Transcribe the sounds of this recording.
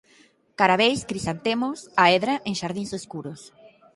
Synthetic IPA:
kaɾaβejskɾisant̪emʊsaeðɾaʔeŋʃaɾðĩŋsoskuɾos

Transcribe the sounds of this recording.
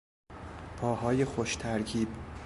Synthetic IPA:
pʰɒːhɒːje̞xoʃt̪ʰæɾkʰiːb̥

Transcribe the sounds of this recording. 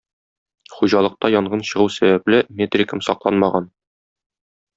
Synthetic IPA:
χuʑɑlˠɤ̆q̚t̪ɑjɒɴɢɤnɕɤ̆ʁɤwsæbæplɘmʲet̪rʲɪkəmsɒqlˠɑnmɑʁɑn

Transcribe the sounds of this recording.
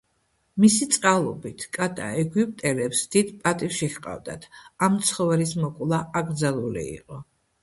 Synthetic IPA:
misit̪sʼqʼalˠɔbit̪ʰkʼat̪ʼa̰ɛɡwipʼt̪ʼɛlɛpsd̪̥id̪pʼat̪ʼifʃiχqʼa̰vd̪a̰t̪ʰamt̪sʰχɔvɛlismɔkʼlˠaaɡɾd̪zalˠulḭḭqʼɔ

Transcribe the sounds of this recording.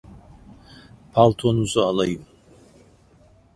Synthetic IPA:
pʰaltʰɔnuzaalaj

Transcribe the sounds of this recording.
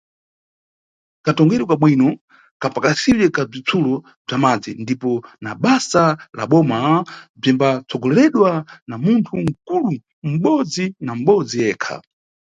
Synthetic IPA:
katɔŋɡɛɾikaɓwinɔ | kapakasiɗɛkab͡ʐit͡sʰulɔ | b͡ʐamad͡zindipɔnaɓasala̰ɓɔmab͡ʐimbat͡sʰɔɡɔlɛɾɛɗwanamuntʰuŋ̩kulu | m̩ɓɔd͡zinam̩ɓɔd͡zijɛːkʰa̰

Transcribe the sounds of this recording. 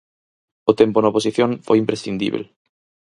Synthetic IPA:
ot̪emponɐopos̬iθjõnfojimpɾesθĩnd̪ḭβ̞ḛl

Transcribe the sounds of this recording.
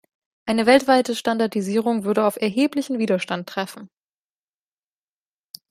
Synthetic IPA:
ʔaɪnəvɛltv̥aɪtəʃtandaɐdiziːʁ̞ʊŋvʏɐɾəaʊfɛɐɦeːplɪçn̩viːdɐʃtantːʁ̥ɛfn̩

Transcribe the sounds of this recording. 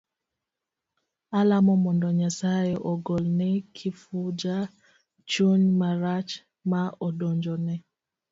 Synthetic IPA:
alamɔmɔndɔɲasajeʔɔɡɔlnɛkʰifud͡ʒa | t͡ʃoɲmaɾat͡ʃ | maɔdɔɲd͡ʒɔnɛ

